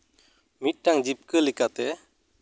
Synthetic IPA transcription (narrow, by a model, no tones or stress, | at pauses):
mit̪̚ʈaŋd͡ʒip̚kəlikat̪ɛ